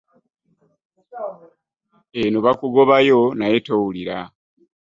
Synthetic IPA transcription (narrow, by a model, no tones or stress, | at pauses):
enuβakuɡoβajo̞najetowuliɾa̰